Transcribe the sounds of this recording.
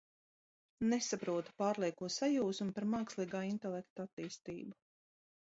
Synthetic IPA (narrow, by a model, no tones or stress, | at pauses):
nesapɾuɔt̪u̥paːɾlˠiɛkuɔsajuːsmpaɾmaːkslˠiːɡaːint̪ɛlˠɛkt̪at̪ːiːst̪iːbu